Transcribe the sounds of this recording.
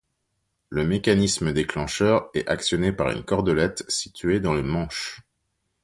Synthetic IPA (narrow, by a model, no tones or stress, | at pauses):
ləmekanisməd̪eklɑ̃ʃœʁɛʔaksjɔnepaʁy̰nkɔʁd̪ɔlɛt̪sit̪ɥed̪ɑ̃lemɑ̃ʃ